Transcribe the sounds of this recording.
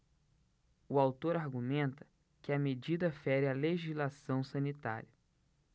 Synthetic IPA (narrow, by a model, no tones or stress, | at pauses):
ʊawt̪oɾaɾɡumẽnt̪ɐ̥ | kɪɐmed͡ʒid̪ɐfɛɾɪaleʒizlasɐ̃w̃sɐ̃nit̪a̰ɾiɐ